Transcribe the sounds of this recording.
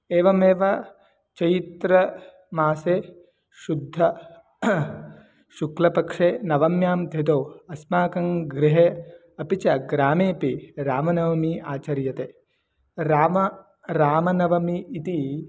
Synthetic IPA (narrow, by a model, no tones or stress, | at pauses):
eːʋɐmeːʋɐ | t͡ʃɐjit̪ɾɐ | maːseː | ʃud̪ʱːɐ | ʃuklɐpɐkʂeːnɐʋɐmjaːmd̪ʱet̪oːɐsmaːkɐŋɡɾɪɦe | ɐpit͡ʃɐɡɾaːmeːpiɾaːmɐnɐʋɐmiːaːt͡ʃɐɾjɐt̪eː | ɾaːmɐ | ɾaːmɐnɐʋɐmiːt̪i